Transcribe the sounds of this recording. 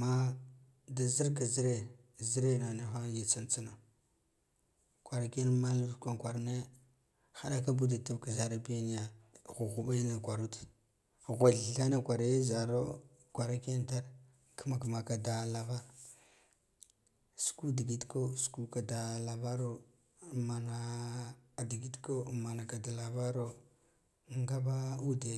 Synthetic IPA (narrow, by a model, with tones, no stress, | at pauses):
ma˦ | da˨zi˦ɾka˨zi˦ɾe˨ | zi˦ɾe˦na˨ne˦xa˦ji˨t͡sa˦nt͡sa˦na˨ | kʷa˨ɾa˨ke˦nma˦lu˦tkʷa˦ŋkʷa˨ɾne˦ | xa˨ɗa˦ka˦bu˦da˨ta˦vka˨za˨ɾa˦bi˦ja˦n˦ja˨ɣu˨ɣu˨ɓa˦na˨kʷa˨ɾu˦t | ɣʷa˨ɬɬa˦na˨kʷa˨ɾa˨je˦za˨ɾo˦ | kʷa˨ɾa˦ke˦n˦ta˦ɾ | kə˦ma˨kma˨ka˨da˨la˨va˦ɾ | su̥˨ku˦di˨ɡi˨˦tko˦su̥˨ku˦ka˨da˨la˨ba˦ɾo˦ | ma˨na˨ | di˨ɡi˦tko˦ma˨na˨ka˨da˨la˨ba˦ɾo˦˨ | ŋɡa˦ba˦u˦de˨